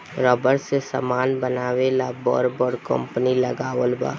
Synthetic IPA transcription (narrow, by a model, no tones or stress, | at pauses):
ɾɔːbəɾsesə̰maːnbənaːʋelabɔ̰ːɾbəɾkə̰̃mpniləɡaːʋəlba̰ː